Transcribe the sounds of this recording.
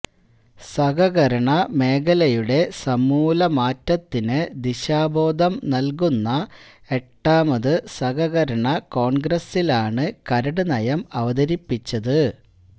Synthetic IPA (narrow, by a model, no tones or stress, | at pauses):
sɐɡɐɣɐɾɐɳɐme̞ːɡɐlɐjuɽe̞sɐmuːlɐmaːtːɐt̪ːinɨd̪iɕaːbʱo̞ːd̪ʱɐmnɐlk̬unːɐe̞ʈːaːmɐðɨsɐɡɐɣɐɾɐɳɐko̞ːɳɡrɐsilaːɳɨkɐɾɐɽɨnɐjɐmɐʋɐd̪ɐɾipːit͡ɕːɐðɨ